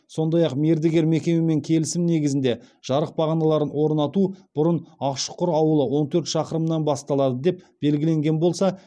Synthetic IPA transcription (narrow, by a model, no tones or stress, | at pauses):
so̞nd̪ɑjɑqme̞ɾd̪eɡʲe̞ɾme̞kʲe̞meme̞ŋkʲʰe̞lɪsɪmne̞ɡʲɪzɪnd̪e̞ʒ̥ɑɾəq̚bɑʁɑnɑlˠɑɾənwo̞ɾnɑt̪ub̥ʊɾənɑqʃə̥qʊɾɑwəlˠəwo̞nt̪ʰɵɾt̪ʃɑqəɾəmnɑnbɑst̪ɑlˠɑd̪əd̪e̞p̚b̥e̞lɡʲɪle̞ŋɡʲe̞nbo̞lˠsɑ